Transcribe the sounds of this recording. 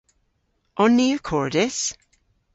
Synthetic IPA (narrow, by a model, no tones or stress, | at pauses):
ɔnːikʰɔɹdɪs